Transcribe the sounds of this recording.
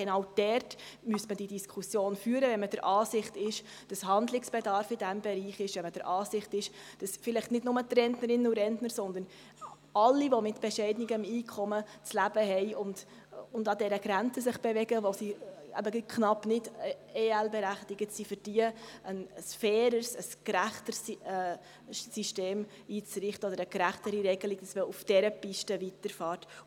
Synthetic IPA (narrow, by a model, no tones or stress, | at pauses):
ɡ̥ɛnɑwd̥ɛɾt | myəsmədidiskʰusjoːnfyːəɾəvɛnməd̥əɾʔɑːsɪχtɪʃ | d̥ɑshɑnd̪lɪksb̥edɑɾfɪdæmbɛɾiːχɪʃʋɛnməd̥əɾʔɑːsɪχtɪʃd̥ɑsfɪlɪχtnɪdnʊmət̪rɛntnəɾɪnuɾɛntnəɾsɔnd̪ən | ɑlːiʋomɪtb̥ɛʃɛɪdnɪɡəmiːkʰχɔmət͡slæb̥əɦɛɪʊnd̥ | ʊndɑdɛɾəɡɾænt͡səsɪχb̥ɛvɛɡəʋosiæ̰bəkχnɑpnɪdeːɛlbɛɾæχtɪɡətsifɨɾd̥iəənəsfɛːɾəsəskɾæχtəs | siʃteːm | iːt͡sɾɪχtəɔdəɾəɡɾæχtəɾiɾɛɡəlɪɡd̥ɑsʋɛufd̥ɛɾəpɪʃtəvitəɾfɑːɾt